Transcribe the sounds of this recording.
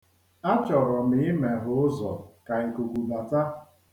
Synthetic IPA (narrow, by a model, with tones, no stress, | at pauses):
a˦t͡ʃɔ˨ɾɔ˨ni˦me˨ɦʊ˨˦ʊ˦zɔ̰˨ka˨e˨ko˨ɡʷu˨ma˨ta˦